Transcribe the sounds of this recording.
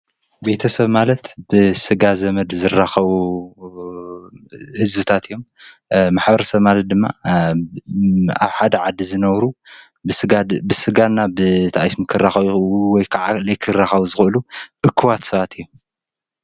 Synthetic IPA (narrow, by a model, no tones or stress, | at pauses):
be̞t̪ʰɐsɐβmalɐt̪b̥ɨsɨɡazɐmɐd̪zɨrːaxɐβu | hɨzbɨt̪ʰat̪ʰɨjːo̞m | maħbɐɾɐsɐβmalɐt̪̚d̪ɨmːa̰ | a̰βħad̪ɐʕad̪ːizɨnɐβɾu | sɨɡabɨsɨɡanːabɨt̪ʰaʔajsmɨkʰɨrːaxɐβwɔjkʰaʕalɐjkʰɨrːaxɐβuzɨxɨʔɨluʔɨkʰːɨwat̪sɐβat̪ʰɨjːom